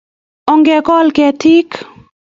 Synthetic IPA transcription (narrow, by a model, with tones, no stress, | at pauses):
ɔ˨ŋɡɛ˨kɔ˦lkɛ˨ti˦k